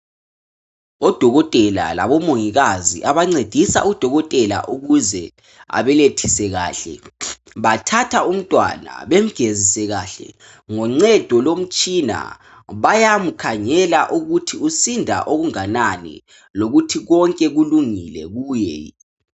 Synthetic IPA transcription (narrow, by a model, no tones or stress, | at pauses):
ɔd̥ʱɔɣɔtʼɛla̰la̰βɔmoŋiɣazḭʔaβaŋ͡ǀed̥ʱisa̰ud̥ʱɔɣɔtʼɛla̰ʔuɣuzɛ | a̰βɛletʰisɛɣa̰ːɬɛ̰ | βatʰatʰaum̩tʼwa̰na̰βem̩ɡ̥ʱezisɛɣaɬɛ̰ | ŋɔŋ͡ǀɛd̥ʱɔlom̩t͡ʃʼina̰ | βajamukʰaɲɛlaʔuɣutʰiusindʱa̰ʔoɣuŋananḭ | loɣutʰiɣɔŋkʼɛɣuluŋilɛ̰ɣuːjɛ